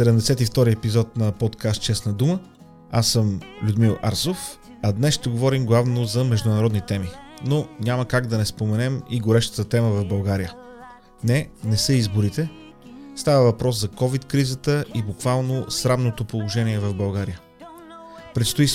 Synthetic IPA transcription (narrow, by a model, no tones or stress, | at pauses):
sɛd̪ɛmd̪ɛsɛt̪ift̪ɔɾiɛpizɔt̪̚nɐpɔt̪kast̪̚t͡ʃɛsnəd̪umə | asəmlʲʊd̪milˠʔa̰ɾsof | ɐd̪nɛsʃt̪ɛɡovɔɾimɡlˠavnozɐmɛʒd̪ʊnɐɾɔd̪nit̪ɛminonʲaməkaɡd̪ɐnɛspomɛnɛmiɡoɾɛʃt̪ə̥t̪ət̪ɛməvɐvbɐlˠɡaɾijə | nɛnɛsəizbʊɾit̪ɛ | st̪avəvɐpɾɔszɐkɔvit̪kɾizət̪əʔibukvalˠnosɾavnot̪opolˠoʒɛniɛvɐvbɐlˠɡaɾijə | pɾɛt̪st̪ʊis